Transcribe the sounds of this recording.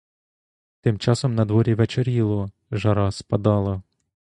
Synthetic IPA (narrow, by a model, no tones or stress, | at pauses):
t̪ɪmt͡ʃɑsɔmnɐd̪ʋɔɾʲiʋet͡ʃeɾʲilˠʊ | ʒɐɾɑspɐd̪ɑlˠɐ